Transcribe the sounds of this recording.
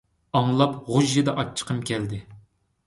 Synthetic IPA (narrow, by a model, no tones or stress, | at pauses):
ɑŋlˠɑpʁʊʒːid̪ɛʔɑt͡ʃʰːə̥qʰəmkʲʰɛld̪ɪ